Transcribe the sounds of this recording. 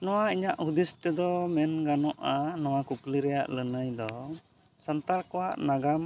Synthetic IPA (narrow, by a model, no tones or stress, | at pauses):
nɔwaiɲaʔhud̪ist̪ɛd̪ɔmɛnɡanɔʔanɔwakukliɾɛja̰ʔlənəjd̪ɔ | sant̪aɾkɔwaʔnaɡam